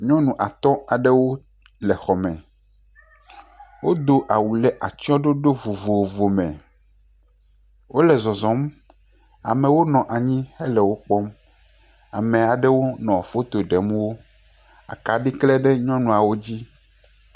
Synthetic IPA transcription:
ɲɔ̃˦nũ˨ʔa˨t̪ɔ˦a˨ɖe˦wo˦ | lɛ˨xɔ˨mɛ̰̃˨ | wo˦d̪o˦ʔa˨wu˨lɛ˨ʔa˨t͡ɕi˦ɔ˦ɖo˦ɖo˦vo˨vo˨vo˨mɛ̰̃˨ | wo˦lɛ˨zɔ˨zɔ̃˨˦m | a̰˨mẽ˨wo˦nɔ̃˨ʔa˨ɲĩ˦he˦lɛ˨wo˦k͡pɔ˦m | a̰˨mẽ˨a˨ɖɛ˦wo˦nɔ̃˨a˨fo˦t̪o˨ɖɛ˨mũ˦wo˦ | a̰˨ka˨ɖi˦klɛ˦ɖe˦ɲɔ̃˦nũ˨a˨wo˦d͡ʑi˦

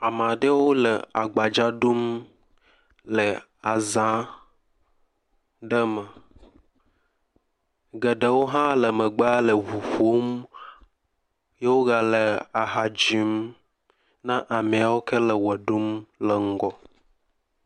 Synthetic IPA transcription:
a˨m˨ã˨ɖə˦wo˦lə˨a˨ɡ͡ba˨d͡ʒa˦ɖu˦m | lə˨ | a˨zã˦ | ɖə˦mə˨ | ɡə˨ɖə˨wo˦ɦã˦lə˨mə˨ɡ͡ba˦lə˨ɦu˨ɸo˦m | je˦wo˦ɡa˨lə˨a˨ɦa˨d͡ʒi˨˦m | nã˦ʔa˨mẽ˨a˨wo˦kʰe˦lə˨wə˨ɖu˦mlə˨ŋ̩˦ɡɔ˨

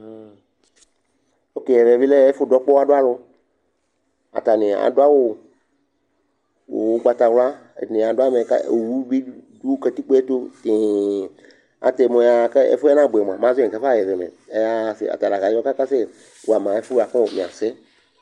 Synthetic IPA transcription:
o˦ke˨jɛ˨ve˨vi˦le˦ɛ˦fʊ˦dɔ˦k͡pɔ˦a˦dʊ˦a˦lʊ˦ | a̰˨t̪a˨nɪ̃˨a̰˨dʊ˦a˦wo˦ | wo˨wɡ͡ba˦t̪a˨wla̰˦˨nɪ̃˨a˨dʊ˦a˦me˨ka̰˦˨wu˦bi˦du˦kɛ˦t̪i˦k͡pe˦ɛ˦t̪o˦t̪ɪ˨ | a̰˨t̪e˨mɔ̃˨˦a˦kɛ˦ḛ˦fo˦ɛ˦nã˦˨bu˨ɛ˨m˨ã˨m˨ã˦zo˦ɛ˨ka˦fa˦jɛ˨vɛ˨mɛ̰˨ | e˦ja˦˨sɪ̰˨a̰˨t̪a˨la˨ɣa˨˦ɔ˦ka˦ka˦se˦ | wo˨a˨m˨ã˨e˦fʊ˦˨a˨kɔ̃˦˨mĩ˨ã̰˨se˦

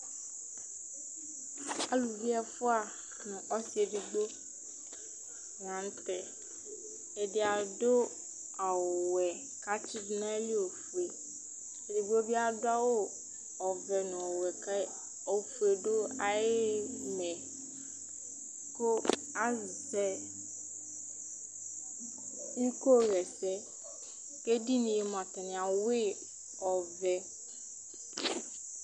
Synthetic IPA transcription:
a˦lu˨di˦a˦fʊ˦a˨ | nʊ̃˨ʔɔ˦si˨e˨dɪ˨ɡ͡bo˦ | ŋ˨ã˨˦n˦t̪ɛ˨ | ɛ˨dɪ˨a˨do˦ | a˨wɛ˨ | ka˦t͡ɕi˦dnã˦li˦o˨fu˨e˨ | dɪ˨bo˦bi˦a˦dʊ˦a˦wo˦ | ɔ˨vɛ˨nʊ̃˨ɔ˨wɛ˨k | o˨fu˨e˨ɖo˦a˨jɪ˦mɛ̃˨ | ko˦ | a˦zsɛ˦ | i˦ko˦ɣɛ˨sɛ˦ | ke˦di˦nĩ˨je˨m˨ã˨t̪a˨nɪ̃˨a˨we˦ | ɔ˨vɛ˨

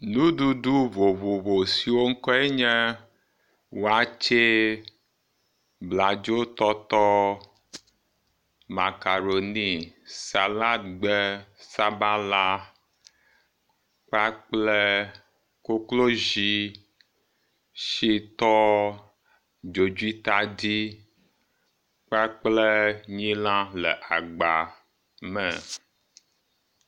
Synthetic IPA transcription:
nũ˦du˦du˦vo˨vo˨vo˨si˨wo˦ŋ̩˦kɔ˦e˦ɲɛ˦ | wo˨a˦t͡ʃe˦ | bla˨d͡ʒo˦t̪ɔ˦t̪ɔ˦ | ma˨ka˨ɾo˨ni˦sa˨la˦t̪ɡ͡bɛ˦sa˦ba˦la˦ | k͡pa˦k͡plɛ˦ | ko˦klo˦d͡ʒi˦ | ʃi˦t̪ɔ˦ | d͡ʒo˨d͡ʒu˦i˦t̪a˦di˦ | k͡pa˦k͡plɛ˦ɲĩ˦lã˦lɛ˨ʔa˨ɡ͡ba˨ | mɛ˨

